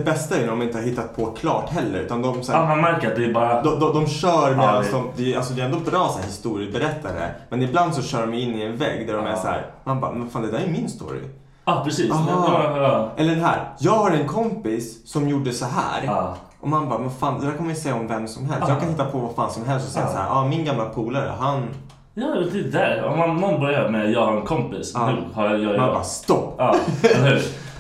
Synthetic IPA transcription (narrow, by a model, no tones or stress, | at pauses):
d̪ɛbɛst̪aɛɾjnæɾɔmɪnəhaɾhɪt̪ːat̪̚pʰɔkʰlɑ̰ːʈɦɛlːə̰ɾʉ̟ːt̪and̪ɔmsæːmanmæɾkəɾat̪̚d̪ɛbɑːɾad̪ɔd̪ɔd̪ɔmɕœːɾmɛlːansɔmd̪ɛalsɔd̪ɛɛnd̪ɔbɾɑːsæːɾhɪst̪uːɾɪəbɛɾɛt̪ʰːaɾɛ̰mɛnɪbland̪sɔɕœːɖɔmɛɪnːɪɛnvɛ̰ːɡd̪æɖɔmæshæ̰ːɾmanba̰ːmɛnfaːnd̪ɛd̪æːɾæjɵmɪnst̪o̰ːɾɪ̰ | ɑpʰɾɛsiːsɦɔ | ʔɛlːəɖɛɦæ̰ːɾjɑːɡhaɾɛnkʰɔmpɪsːɔmjuɖːəsɔɦæ̰ːɾʔɔmanbɑːmɛnfaːnd̪ɛd̪æɾkʰanmanjʏsɛjːaɔmvɛmsɔmɦɛlst̪jɑːkʰanhɪt̪ːapʰɔvafaːnsɔmɦɛlst̪ɔsɛjaasahæ̰ɾʔɑːmɪnɡamlapʰuːlaɾə̰ɦan | jɑːd̪ɛd̪æɾɔ̰manmanbœɾjamɛjɑːhaɾɛnkʰɔmpɪsnʉhajjɑmanba̰ːst̪ɔpːlhʉɾ